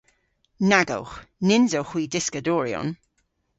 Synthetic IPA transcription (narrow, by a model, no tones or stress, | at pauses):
naɡə̰wxnɪnzowxwiːdɪskədɔːɹjɔ̰n